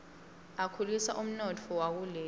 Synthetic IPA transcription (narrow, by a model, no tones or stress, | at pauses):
akʰulisa̰ʔum̩nɔtʰɔwak̬ulɛː